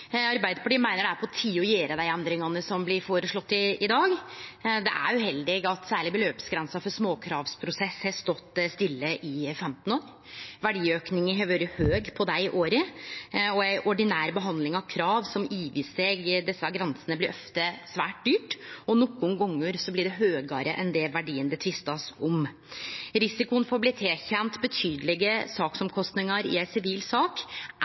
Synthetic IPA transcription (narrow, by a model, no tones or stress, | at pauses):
ɑɾbæɪd̪əfɔʈiːmæɪnəɖɛææpʰɔt̪ʰiːʊjeːɾəd̪æɪɛnd̪ɾɪŋɑnəsɔmblɪɾfoːɾəʂɭɔt̪ːɪɪd̪ɑːɡd̪ɛ̰ʔæ̰ɾʉhɛld̪ɪɡɑt̪sæːɭɪbəløːpsɡɾɛnsɑfɔɾsmoːkʰɾɑːʋspʰɾʊsɛshɛst̪ɔt̪ːst̪ɪlːəʔɪfɛmt̪n̩oːɾ | ʋæɖiːøːknɪŋɦɑʋøːɾəhøːɡpʰɔd̪æɪʔoːɾə | ɔæɪʔɔɖɪnæːɾəbəɦɑnd̪lɪŋɑʋkʰɾɑːʋsɔmiːʋɪseːɡd̪ɛsːɑɡɾɛnsənəblɪɾɔft̪əsʋæːʈ̚d̪yːʈɔnɔkːʊnɡɔŋːəɾsɔblɪɖɛɦøːɡɑɾə̰ʔɛnd̪ɛʋæɖiːənd̪ət̪ʰʋɪst̪ɑsɔm | ɾɪsɪkʊənfɔɾblɪːt̪ʰeːçɛnt̪bət̪ʰyːd̪əlɪɡəsɑːksɔmkʰɔst̪nɪŋəɾɪ̰æɪsɪʋiːlsɑːk